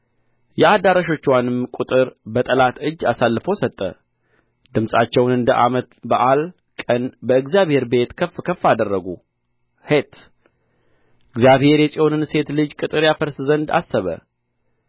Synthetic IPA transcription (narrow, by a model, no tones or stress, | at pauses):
jɛad̪aɾaʃo̞t͡ʃːwanɨmkʼut̪ʼɨɾbət̪ʼəlat̪ɨd͡ʒːasalːɨfo̞sət̪ʼːə̰ | d̪̥ɨmsʼat͡ʃːɛwnɨnd̪əʔamət̪bəʔal | kʼənbəɨɡzjaβhe̞ɾbe̞t̪kʰəfkʰəfːad̪ərːəɡu | het̪ | ʔɨɡzjaβhe̞ɾjɛsʼio̞nɨnse̞t̪lɨd͡ʒkʼɨt̪ʼɨɾjafəɾszənd̪a̰sːəβə̰